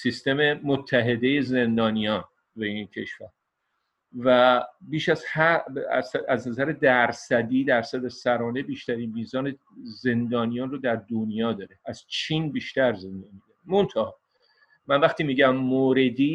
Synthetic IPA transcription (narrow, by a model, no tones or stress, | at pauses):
sist̪e̞memot̪ʰːæɦe̞d̪e̞jeze̞nd̪ɒːnijɒːn | beincʰe̞ʃvæɾ | væbiːʃæzhæ̰sæznæzæɾed̪æɾsæd̪iːd̪æɾsæd̪esæɾɒːne̞biːʃt̪æɾiːnmiːzɒːne | ze̞nd̪ɒːnijɒːnrod̪æɾd̪onjɒːd̪ɒːɾeæz̥t͡ʃʰiːnbiːʃt̪æɾze̞nd̪ɒnmid̪onemont̪ʰɑɒ | mænvæxt̪iːmiːɟæmːoːɾe̞d̪iː